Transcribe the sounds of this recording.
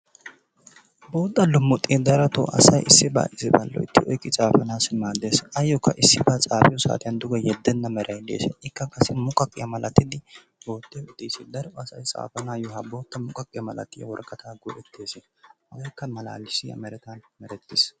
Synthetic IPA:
bo̞ːt̪ʼːɐlːʊmːʊt̪ʼːid̪ɐɾɐt̪ɔ̰ʔɐ̰sɐjɪsːɪba̰ːʔɪsɪbɐ̰lːɔ̰ɪt̪ːɪɔ̰jkʼːɪt͡sʼaːfɐnaːsɪmaːd̪eːsɐjɔkʰːɐʔɪsːɪbat͡sʼaːfɪjɔsa̰ːt̪ɪjɐnd̪ʊɡɐjɛd̪ːɛnːɐmɛɾʔɐjd̪ḛːsɛ̰ɪkːɐkʼɐsːɪmʊkʼɐkʼɪjɐmɐlɐt̪ːɪd̪ɪ | bo̞ːt̪ːeʊt̪ʼːiːsɛd̪ɐɾɛɐsɐjt͡sʼa̰ːfɐnaːjɔhɐbo̞ːt̪ʼːɐmʊkʼɐkʼːɪjɐmɐlɐ̰t̪ːɪjɐ̰wɔɾɡʼɐt̪aːɡʊʔɛt̪ʰːeːse | hɐwɐjkːɐmɐla̰ːlɪsɪɐ̰mɛɾɛt̪ɐnmɛɾɛt̪ːɪs

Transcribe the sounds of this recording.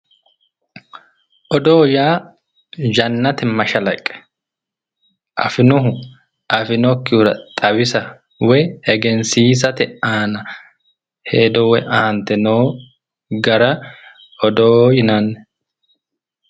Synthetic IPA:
ʔɔd̪o̞ːjaː | d͡ʒɐnːɐt̪ɪmɐʃɐlɐkʼːɛ̥ | ʔɐ̰fɪnʊɦʊ | ʔɐfɪnɔkːɪʊɾɐ̰t̪ʼɐbɪsɐ | wɛɛɡɛnsiːs̬ɐt̪ɛaːnɐ | heːd̪ɔwɛʔɐhɐnt̪ɛnoː | ɡɐɾɐ | ɔd̪oːjɪnanːɛ

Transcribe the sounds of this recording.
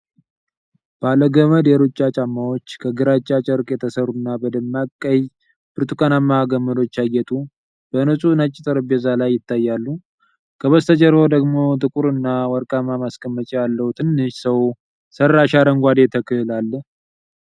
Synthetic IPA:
b̥aləɡəməd̪eɾut͡ʃʼːat͡ʃʼamːawo̞t͡ʃːkʰəɡɨɾat͡ʃʼːat͡ʃʼəɾkʼjɛt̪ʰəsəɾunːabəd̪əmːakʼːəjz | b̥ɨɾt̪ʰukʰanamːaɡəmːəd̪o̞t͡ʃːajːɛt̪ʼu | b̥ənɨsʼunat͡ʃʼːɪt̪ʼəɾɨbɛzalajːɪt̪ʰːajːalːu | kʰəβəst̪ʰəd͡ʒɛɾo̞d̪əɡmo̞t̪ʼɨkʼuɾɨnːawɔɾkʼamamaskʼəmːət͡ʃʼejalːəwut̪ʰɨnːɨʃsəw | sərːaʃaɾəŋɡʷad̪et̪ʰəkʰɨhɨlalː

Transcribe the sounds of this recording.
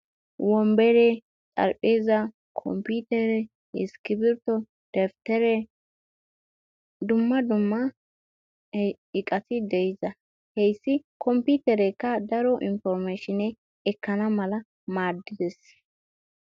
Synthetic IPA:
wɔmbɛɾɛ | t͡sʼɐ̰ɾpʼːeːzɐ | kʰɔ̰mput̪ɛɾɛ | ɪskɪbɪɾt̪ɔ | d̪̥ɛft̪ɛɾɛ | d̪ʊmːɐd̪ʊmːɐ | ɪkʼɐt̪ɪd̪ɛjɪzɐ | hɛjsːɪkʰɔmpit̪ɛɾɛkːɐd̪ɐɾɔʔɪnfɔɾmeːʃɪnɛ | ɛkːɐnɐmɐlɐ | maːd̪ːɪd̪ɛs

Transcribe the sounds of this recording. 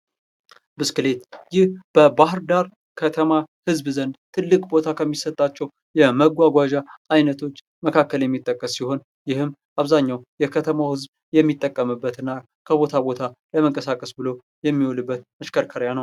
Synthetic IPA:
bɨskɨle̞t̪jɪhb̥əbahɾd̪aɾ | kʰət̪ʰəmahɨzbzənd̪t̪ʰɨlːɨkʼbo̞t̪ʰakʰəmːisət̪ʼːat͡ʃːɛw | jɛməɡʷaɡʷaʒaʔajnət̪ʰo̞t͡ʃː | məkʰakːəljɛmːit̪ʼːəkʼːəsːiho̞n | jɪhɨmʔaβzaɲːawjɛkʰət̪ʰəmawhɨzb | jɛmːit̪ʼːəkʼːəmɨbːət̪ɨnːa | kʰəβo̞t̪ʰabo̞t̪ʰaləməŋkʼəsakʼəsbɨlo̞ | jɛmːiwolɨbːət̪məʃkʰəɾkʰəɾjanəw

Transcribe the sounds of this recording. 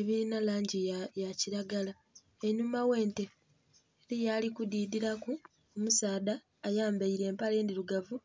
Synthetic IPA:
eβiɾinalaːɲɟijaciɾaɡala | eɲumawe̞ːnte̞ː | ɾijaːlikudiːdiɾaku | omusaːdaː | jaːmbaiɾe̞ːmpaleːndiluɡavu

